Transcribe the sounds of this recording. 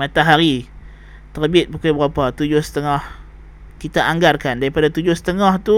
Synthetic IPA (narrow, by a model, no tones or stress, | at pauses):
mat̪aɦaɾi | t̪ərbɪt̪̚bukabəɾapat̪ud͡ʒʊhsə̥t̪əŋɔh | kit̪aʔaŋɡarkandaɾipadat̪ud͡ʒʊhsə̥t̪əŋɔht̪u